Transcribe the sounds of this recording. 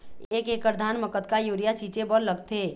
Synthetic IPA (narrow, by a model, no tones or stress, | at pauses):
eːkeːkəɾd̪ʱaːnməkət̪kajuːɾijat͡ʃiːt͡ʃebəlləɡt̪ʰe